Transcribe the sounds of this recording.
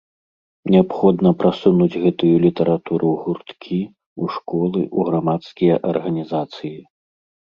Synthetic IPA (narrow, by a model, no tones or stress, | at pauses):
nʲɛapxɔd̪nɐpɾʔasunud͡zʲɣɛt̪ujulʲit̪ɐɾat̪uɾuɣurt̪kʲʰi | uʂkɔlˠɨʔuɣɾamat̪skʲijɐʔɐrɣɐnʲizat̪sɨji